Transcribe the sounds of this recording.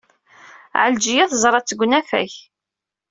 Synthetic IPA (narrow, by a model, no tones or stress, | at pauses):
ʕəld͡ʒijæðˤzˤɾˤɑt͡sːəɡʷnæfæ̰ç